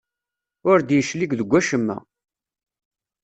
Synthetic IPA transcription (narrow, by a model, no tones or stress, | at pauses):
ʊɾd̪jəʃliɡðəɡʷːæʃəmːæ̰